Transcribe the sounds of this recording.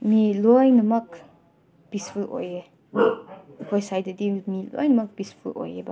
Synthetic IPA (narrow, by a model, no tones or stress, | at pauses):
milɔjnɐmɐk | b̥ispʰulʔɔ̰je | hɔjsajdadimilɔ̰jnɐmak̚bispʰulɔ̰jeba